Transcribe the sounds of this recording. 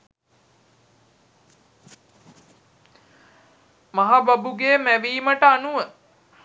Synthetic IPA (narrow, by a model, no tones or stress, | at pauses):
maɦababuɡeːmæʋiːməʈəanuʋə